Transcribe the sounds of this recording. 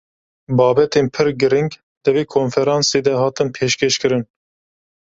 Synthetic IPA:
bɑːbɛt̪eːnpʰɨɾɡɨɾiŋɡ | d̪̥ɨveːkʰoːnfɛɾɑːnseːd̪ɛhɑːt̪ɨnpʰeːʃkʰeːʃkɨɾɨn

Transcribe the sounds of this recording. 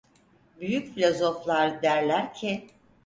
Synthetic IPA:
byjycfilʲozo̞flˠaɾd̪æɾlʲæɾcʰɪ

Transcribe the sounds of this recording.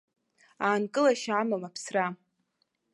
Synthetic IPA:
aːnkʼɨlaʃamamapʰsra

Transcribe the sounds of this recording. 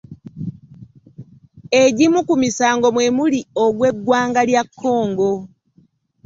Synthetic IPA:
e̞ɟimukumisaːŋɡo̞mwe̞mulio̞ɡwe̞ɡːwaːŋɡaljakʰːo̞ːŋɡo̞

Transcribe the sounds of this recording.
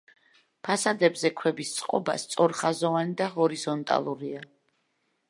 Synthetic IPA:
pʰasad̪ɛbzɛkʰwɛbist̪sʼqʼɔ̰ba̰st̪sʼɔɾχazɔvanid̪aɦɔɾizɔnt̪ʼa̰lˠuɾia

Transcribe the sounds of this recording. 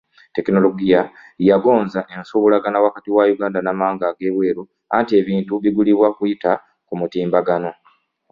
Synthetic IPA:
te̞kino̞lo̞ɡijajaɡo̞ːnzaʔe̞nsuβulaɡanawakatiwajuɡaːndanamaːŋɡaɡe̞ːβwe̞ːɾu | antie̞βiːntuβiɡuliβwakujita | kumutiːmbaɡano̞

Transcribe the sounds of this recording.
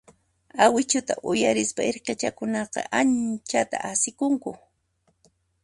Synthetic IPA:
awɪt͡ʃʊt̪a̰ʔʊjaɾɪspaeɾqet͡ʃakʊnɑqɑ̰ʔant͡ʃat̪aʔasɪkʊŋkʊ

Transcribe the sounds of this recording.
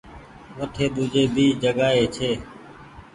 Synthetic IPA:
ʋəʈʰeːɗ̪uːd͡ʒeːbiːd͡ʒəɡaːɦeːt͡ʃʰeː

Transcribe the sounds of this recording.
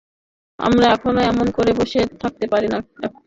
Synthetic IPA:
a̰mɾaɛkʰonoɛmonkoɾeboʃet̪ʰak̚t̪epaɾinaɛ̰

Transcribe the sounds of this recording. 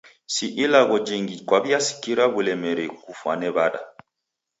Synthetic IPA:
siʔilaɣɔd͡ʒiŋɡikwaβiasi̥kiɾaβulɛmɛɾɛkufwa̰nɛβaɗa̰

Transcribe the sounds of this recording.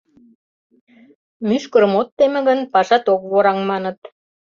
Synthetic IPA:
myʃkə̆ɾəmot̪ːemĕɣə̆npɑʃɑt̪ok̚βoɾɑŋmɑnə̆t̪

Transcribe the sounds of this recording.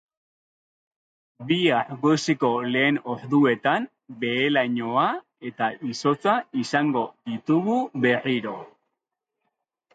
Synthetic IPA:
biaɾɣojsiko̞le̞ːno̞ɾðue̞t̪am | be̞ːlaɲo̞a | e̞t̪aiso̞t͡saisaŋɡo̞ðit̪uɣuβe̞riɾo̞

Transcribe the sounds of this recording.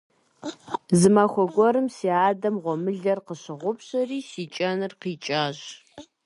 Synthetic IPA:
zɨmaːxʷɔɡʷɔɾɨmsiːaːdɐmʁʷɔmɨɮɐrqəɕɪʁʷʊpɕɐriːsiːt͡ʃʼɐnɨrqiːt͡ʃʼaːɕ

